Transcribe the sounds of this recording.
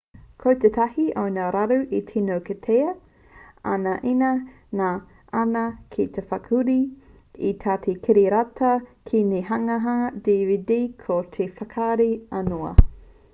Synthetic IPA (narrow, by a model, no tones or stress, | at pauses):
kʰowt̪et̪ʰɐhiʔonaɾaɾuʔitʰinowketʰeɐ | a̰nɐʔinɐ | na | ɐnɐkʰit̪ʰefɐkʰuɾi | it̪ʰaːt̪ʰekʰiɾiɾatʰɐkʰineɦɐŋɐɦɐdividikʰot̪ʰefɐkʰaɾiɐnoɐ̰